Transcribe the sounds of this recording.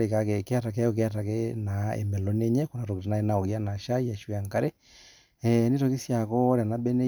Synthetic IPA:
ɾe˨ka˨kɛ˨ke˦a˦ta˨kɛ˦ɔ˨k̬e˦a˦ta˨kɛna˨ḛ˨mbɛ˨lɔ˦ne˦ɲɛ˦ko˨na˨to˨ke˨te˨na˨e˦na˨o˨ɣi˦a˦na˨ʃa˦i˦a˨ʃwa˨ŋka˦ɾe˦ | ɛne˦to˨ke˦sja˨kɔ˦ɾa˨na˦bɛ˦nɛ˦

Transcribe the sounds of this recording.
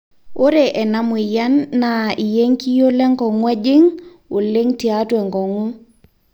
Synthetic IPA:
o˦ɾe˨ʔɛ˨na˨mwɪ˨ja˦nːa˨i˨je˦ŋki˦jo˦lɛ˦ŋɡɔ˨ŋwɛ˦d͡ʒɪ˦ŋ | ʊ˨lɪ˦ŋti˨a˦twɛ˨ŋɡɔ˨ŋu˦

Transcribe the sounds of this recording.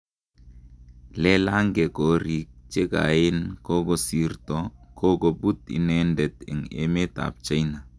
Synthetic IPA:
lɛ˦la˦ŋɡɛ˨ko˨ɾi˨k̚t͡ʃe˦ka̰˨ɪ˦nko˦ɡɔ˦si˦rt̪ɔ˨ko˦ɡɔ˨bu˦t̪ḭ˨nɛ˦ndɛ˨t̪ɛ̰˨ŋḛ˦me˦t̪a̰˨p̚t͡ʃa˦jna˨

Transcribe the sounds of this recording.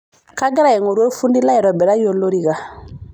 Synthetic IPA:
ka˦ɡɛ˦ɾa˦˨jɛ˨ŋo˨ɾo˦fũ˦ndi˦la˦jɛ˨ɾɔ˨bɛ˨ɾa˦jo˦lo˦ɾi˨ka˨

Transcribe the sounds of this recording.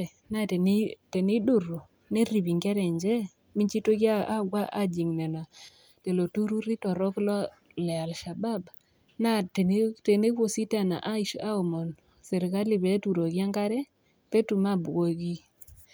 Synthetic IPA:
na˦te˨ni˦te˨ni˦dʊ˨ɾo˨ | ne˦ɾi˨bi˨ŋɡɛ˦ɾɛ˨ɲd͡ʒɛ˦ | mi˦ɲt͡ʃi˦to˦ɡɪ˦a˦a˦ɡwa˦ʔa˦d͡ʒi˨ŋne˨na˨ | te˨lo˨tu˦ɾu˦ɾi˦tɔ˨ɾɔ˦klɔ˦ | lɛ˨a˨lʃa˨ba˦b | na˦te˨n˦te˨ne˦wo˦˨si˦ta˦˨na̰˨ʔa˦i˨ʃa˦o˨mɔ˨n | se˨ɾi˨ka˦lɪ˦˨be˨˦tu˨ɾo˨ɡɪ˦a˦ŋka˦ɾɛ˦ | pe˦tu˨ma˦˨bwo˨ɡi˦

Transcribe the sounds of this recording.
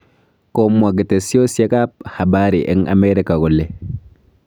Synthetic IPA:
ko˦mːa˨ɡɪ˨te˨sjo˦sje˦ka˦p̚ha˨baː˦ɾi˨ʔɛ˦ŋʔa̰˦mɛ˦ɾi˦ka˨ɡɔ˨lːe˨

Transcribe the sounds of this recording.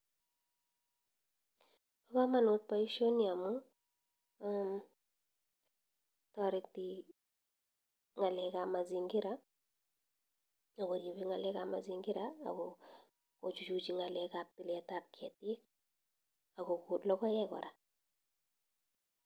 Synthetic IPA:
pa˦ka˦ma˨nʊ˦t̚pa˦i˦ʃo˦ni˦a˨mʊ˦ | am | tɔ˨ɾɪ˨ti˨ | ŋa˨lɛ˨ka˨ma˨zi˨ŋɡɪ˦ɾa˦ | a˨ko˨ɾje˨pi˦ŋa˨lɛ˦ka˨ma̰˨zi˨ŋɡɪ˦ɾa̰ː˦˨ko˨ | ko˨t͡ʃu˨t͡ʃu˨t͡ʃi˨ŋa˨lɛ˨ka˨p̚ti˨lɛ˨ta˦p̚kɛ˨tɪ˦k | a˨ko˨ku˨tlɔ˦kɔ˦jɛ˦kɔ̰˨ɾa˨

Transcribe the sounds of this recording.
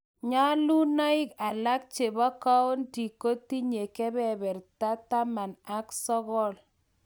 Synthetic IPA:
ɲa˦lu˦na˦ɪ˦ka˨la˦k̚t͡ʃe˨ba˦ka˦o˦nti˨ko˦ti˦ɲe˨kɛ˦bɛ˦˨bɛ˨rta˦ta˦ma˨na˦ksɔ˦ɣɔ˦l

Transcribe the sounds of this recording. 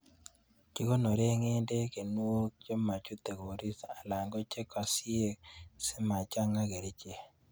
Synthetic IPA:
t͡ʃi˦ko˦no˨ɾe˦ŋe˦nde˦ke˨nu˦o˦k̚d͡ʒɔ˦ma˨t͡ʃu˦t̪e˨ɡo˨ɾi˦sa˨la˨ŋɡo˦t͡ʃe˦ka˨sɪ˦e˦ksɪ˦ma˨t͡ʃa˦ŋa˦ɡe˨ɾi˦t͡ʃe˨

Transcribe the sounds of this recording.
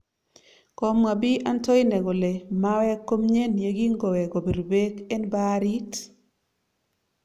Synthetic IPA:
ko˨ma˨bi˦ʔa˦ntɔ˦i˦nɛ˨ɡo˨le˨ma˦wɛ˦kːo˦mɲe˦nje˨˦ɡi˦ŋɡo˨wɛ˨ɡo˨be˨ɾo˨be˦kɛ˦nba˦ɾi˦t

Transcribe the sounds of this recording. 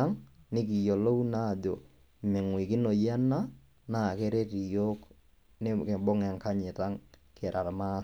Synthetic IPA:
a˦ŋnɪ˦ki˨jo˨lo˦u˦na˦˨do˨ | me˨ŋwi˨kɪ˦no˨ja˦na˦ | na˨ke˦ɾe˦ti˨jo˦k | ne˦ke˨bo˦ŋa˨ŋka˦ɲɛ˨ta˦ŋ | kɛ˨ɾʔa˨ɾma˦

